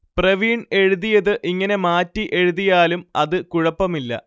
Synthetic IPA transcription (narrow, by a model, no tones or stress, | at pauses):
prɐʋiːɳe̞ɻuðijɐðɨʔiŋːɐne̞maːtːiʔe̞ɻuðijaːlumɐðɨkuɻɐpːɐmilːɐ̰